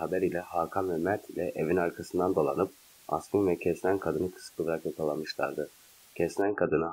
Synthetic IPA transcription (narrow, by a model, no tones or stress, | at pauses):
habɛɾilʲɛhaːkʰamvɛmæɾt̪ʰilʲɛʔevinaɾkʰasɯnd̪and̪o̞lˠa̰nɯp̚ | a̰skɯnvɛcʰɛslʲænkʰad̪ɯnɯkʰɯ̥sk̪ˠɯlˠaɾakjak̪ʰalˠanmɯʃlˠa̰ɾd̪ɯ | cʰɛslʲænkʰad̪ɯnɯ